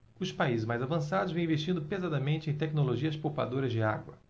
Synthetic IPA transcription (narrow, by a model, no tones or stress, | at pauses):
ʊspaizɪzʒmajzavɐ̃sad̪ʊzvẽw̃ĩveʃt͡ʃĩnd̪ʊpezad̪ɐmẽnt͡ʃɪẽj̃t̪ɛknoloʒiɐspowpa̰d̪oɾɐzd͡ʒɪa̰ɡwɐ